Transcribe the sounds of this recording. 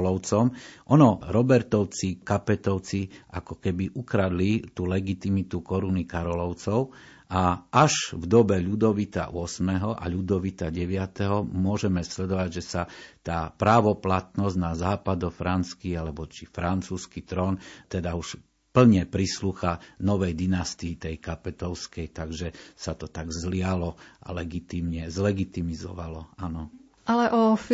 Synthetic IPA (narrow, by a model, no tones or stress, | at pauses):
lɔʊt͡sɔmʔɔnɔɾɔbɛɾt̪ɔʊt͡sikapɛt̪ɔʊt͡siʔakɔkɛbiʔukɾad̪lit̪uːlɛɡit̪imit̪ukɔɾunikaɾɔlɔʊt͡sɔʊ | ʔaʔaʒvd̪ɔbɛʎud̪ɔʋit̪a̰ʔʊɔsmɛɦɔʔa̰ʎud̪ɔʋit̪aɟɛʋɪat̪ɛɦɔmʊɔʒɛmɛslɛd̪ɔʋaɟʒɛsat̪aːpɾaːʋɔplat̪nɔznazaːpad̪ɔfɾant͡skialɛbɔt͡ʃifɾant͡suːskit̪ɾɔnt̪ɛd̪auʃ | pl̩ɲɛpɾisluːxanɔʋɛjd̪inast̪iːt̪ɛjkapɛt̪ɔʊskɛjt̪aɡʒɛsat̪ɔt̪aɡzlɪalɔa̰lɛɡit̪imɲɛzlɛɡit̪imizɔ̰ʋalɔanɔ | alɛʔɔf